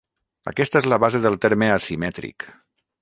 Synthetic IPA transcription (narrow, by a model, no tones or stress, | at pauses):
ə̰kɛst̪əezləβazeðəlˠt̪eɾməasimɛt̪ɾḭk